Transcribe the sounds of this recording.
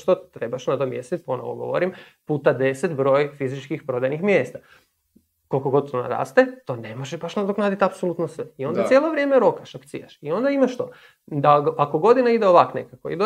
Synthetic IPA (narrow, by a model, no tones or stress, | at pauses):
ʃt̪ot̪ɾe̞baʃnad̪omjest̪it̪̚po̞noʋo̰ɡo̞̰ʋo̰ɾimpuːt̪ad̪e̞set̪bɾo̞ːjfizit͡ʃkixpɾo̞d̪ajnixmjeːst̪a | ko̞lkoɡo̞d̪̚t̪ona̰ɾa̰ːst̪et̪o̞nemoʒɛbaʃnad̪oknaːd̪it̪apsolˠut̪nosʋeio̞nd̪asʲjeːlˠoʋɾʲjeːmeɾo̞kaʃakt̪sḭja̰ʃio̞nd̪aimaʃt̪o̰ | d̪aako̞ɡo̞d̪inaid̪eoʋaknḛkako̰ḭd̪o